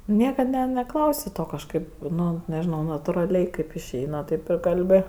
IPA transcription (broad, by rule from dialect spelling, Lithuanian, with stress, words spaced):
ˈnʲiɛkɐt nʲɛ nʲɛˈklˠɐʊsʲɪ ˈtoː kɐʃˈkɐɪp nʊ nʲɛʒʲɪˈnɐʊ nɐtʊrɐˈlʲɛɪ kɐɪp ɪʃʲˈɛɪnɐ ˈtɐɪp ɪr kɐlʲˈbʲɪ